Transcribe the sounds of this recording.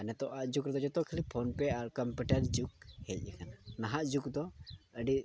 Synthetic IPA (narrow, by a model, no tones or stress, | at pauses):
anɛt̪ɔʔaʔd͡ʒukɾɛd̪ɔd͡ʒɔt̪ɔkʰəlipʰɔnpɛaɾkɔmpuʈəɾd͡ʒuk̚hɛc̚ˀɛkananaɦaʔd͡ʒukd̪ɔəɖi